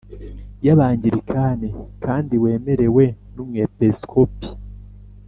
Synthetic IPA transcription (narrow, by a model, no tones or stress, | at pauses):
jaβaːɲɟiɾikʰaːnekaːndiwe̞ːme̞ɾe̞we̞numŋepeskʰopi̥